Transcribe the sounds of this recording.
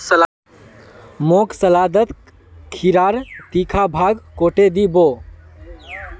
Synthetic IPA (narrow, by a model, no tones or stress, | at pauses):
səl | moːksəlaːd̪ət̪ | kʰiɾaːɾt̪ikʰabʱaːɡkoːʈed̪iboː